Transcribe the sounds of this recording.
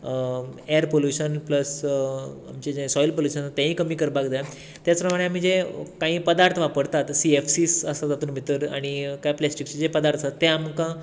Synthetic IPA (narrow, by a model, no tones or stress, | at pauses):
eəɾpoljuɕənpləs | amt͡ɕed͡ʑẽsɔjlpoljuɕənt̪ːjãɦĩːkəmiːkəɾbakd͡zaja | t̪jat͡spɾəmaɽ̃eam̤iːd͡zekãɦĩːpəd̪aɾt̪ʰʋapəɾt̪at̪siefsisəsad͡zat̪uːnmit̪əɾa̰ɽ̃ikajplɛsʈikt͡ɕid͡zepəd̪aɾt̪ʰəsat̪ːeamkã